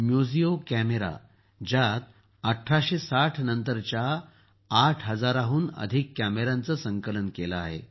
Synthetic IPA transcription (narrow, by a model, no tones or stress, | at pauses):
mjud͡ziokæmeɾa̰ | d͡ʑat̪̚ | əʈʰːaɕesaʈʰnənt̪əɾt͡ɕjaː | ʈʰɦəd͡zaɾaɦuːnə̰d̪ʱikːæmeɾant͡səsəŋkələnkelaaɦḛ